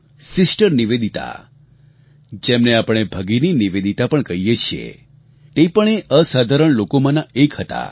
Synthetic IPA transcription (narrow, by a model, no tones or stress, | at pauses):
sɪsʈəɾniʋed̪it̪a̰ | d͡ʒemneapəɳ̃ebʱəɡininiʋed̪it̪apəɳkəijet͡ʃʰiḛ | t̪epəɳeʔəsad̪ʱaɾəɳlokomãnaekhət̪a̰